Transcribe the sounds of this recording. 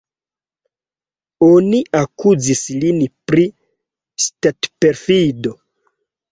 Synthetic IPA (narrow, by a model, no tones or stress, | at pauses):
oniʔakuzislinpɾi | statpeɾfido̞